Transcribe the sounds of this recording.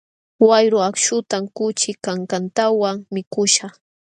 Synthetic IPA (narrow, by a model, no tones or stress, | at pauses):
wajɾʊakʃʊt̪amkʊt͡ʃɪkaŋkant̪awaŋmɪkʊʃa